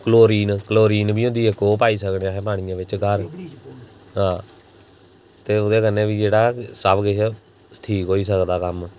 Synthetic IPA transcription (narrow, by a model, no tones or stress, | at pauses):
kəloːɾiːnkloːɾiːnbʱiːɦʊ̃nd̪iːɦɛːkoːpaːiːsəkneãːɦɛːpaːɽ̃ɪjãːʋɪt͡ʃɡəɾ | ɦãː | t̪eːʊd̪eːkənːẽːʋiːd͡ʒeːɽaːsəbɡɪ | sʈʰiːkɦoːiːs̬əkd̪aːkəm